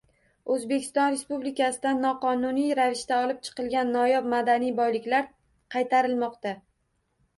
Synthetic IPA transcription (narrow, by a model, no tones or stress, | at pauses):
ɵzbe̞kʲʰɪ̥st̪ɒnɾe̞spublɪkʲʰasɪd̪anːɒqɒnʊnijɾavɪʃt̪aɒlˠɪp̚t͡ʃʰɨ̥qɨlˠɡʲanːɒjɒb̚mad̪anijbɒjlɪkʲlaɾ | qʰɑjt̪ʰaɾɪlˠmɒqt̪a